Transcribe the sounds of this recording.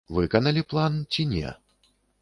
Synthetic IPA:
vɨkɐnɐlʲiplˠant͡sʲinʲɛ̰

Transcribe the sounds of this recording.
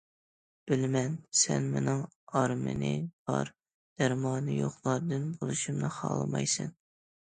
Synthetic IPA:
b̥ɪlmɛnsɛnmenɨŋ | ɑɾmɨ̰nɨb̥ɑɾ | d̪̥æɾmɑːnɨjoχlˠɑɾd̪ɨnbolˠɨʃumnɨχɑ̰ːlˠɨmɑ̰jsɨn

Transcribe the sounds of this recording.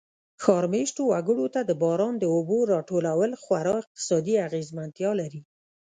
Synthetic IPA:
xɑɾmeʃʈowaɡəɽot̪ad̪əbɑɾɑnd̪əoboɾɑʈolawəlxwaɾɑɪq̚t̪ɪ̥sɑd̪iaɣezmant̪jɑlaɾi

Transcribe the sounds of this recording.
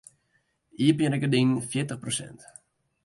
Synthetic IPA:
iəpjəɾɛkədinnfjɪtəχprosɛ̰nt

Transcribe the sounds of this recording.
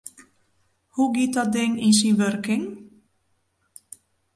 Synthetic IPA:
huɡit̚dɔt̚dɪŋins̬inʋørkɪŋ

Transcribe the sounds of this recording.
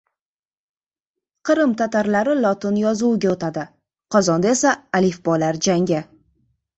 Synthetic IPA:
qɨɾɪmt̪ʰat̪aɾlaɾɪlˠɒt̪ɪnjɒzuɡʲaot̪ʰad̪ɪ | qʰɒzɒnd̪ae̞saːlifbɒlaɾd͡ʒaŋɡʲɪ

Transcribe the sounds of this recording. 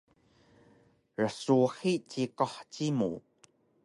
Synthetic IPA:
ɹəsuħit͡ɕikɔħt͡ɕimṵ

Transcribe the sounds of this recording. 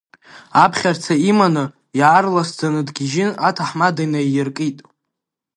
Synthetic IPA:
apʰχʲart͡sʰaimanɨ | jaaːrlasd͡zanɨdɡʲiʒɪnatʰaħmadajnajɪrkʼitʼ

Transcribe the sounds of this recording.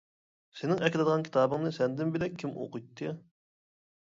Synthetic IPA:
senɪŋɛkʲilɨd̪əʁɑnkʲʰi̥t̪ʰɑːbɨŋnɨsɛnd̪ɪnbɪlɛk̚ʲʰːimo̰qujt̪ʰːɨ

